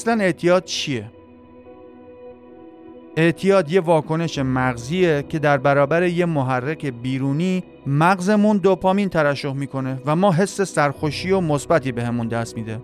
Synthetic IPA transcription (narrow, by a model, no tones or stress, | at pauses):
æslæne̞ʔt̪ʰijɒːd̪̥̚t͡ʃʰije | eʔt̪ʰijɒːd̪je̞vɒːkʰo̞ne̞ʃe̞mæɣziːecʰe̞d̪æɾbæɾɒːbæɾe̞je̞moɦærːekʰe̞biːɾuːniː | mæɣze̞mund̪opʰɒːmiːnt̪ʰæɾæʃːo̞hmiːkʰo̞ne̞væmɒːɦe̞sːe̞sæɾxoʃiːo̞mo̞sbæt̪ʰiːbe̞hemund̪æst̪̚miːd̪e